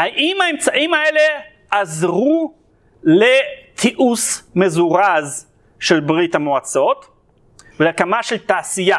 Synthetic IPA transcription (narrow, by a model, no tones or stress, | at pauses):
haʔimaemt͡saʔimae̞le̞ | ʔazʁu | let̪ʰiʔusmezuʁaz | ʃelbʁit̪hamoat͡so̞t̪ | veleakamaʃelt̪aːsija